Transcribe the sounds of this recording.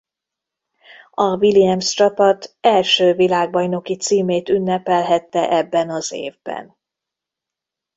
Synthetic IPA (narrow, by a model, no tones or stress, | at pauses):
ɒvilijɛmst͡ʃɒpɒt̪ɛlʃøːvilaːɡ̚bɒjno̞kit̪siːmeːt̪ynːɛpɛlɦɛt̪ːɛʔɛbːɛnɒzḛːvbɛ̰n